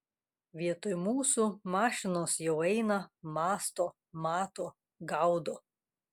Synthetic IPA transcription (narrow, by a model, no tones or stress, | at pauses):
ʋʲiɛt̪ʊjmuːsumɑːʃʲɪnoːsjɛʊɛɪnɐmɑːst̪oː | mɑːt̪oː | ɡɐʊd̪oː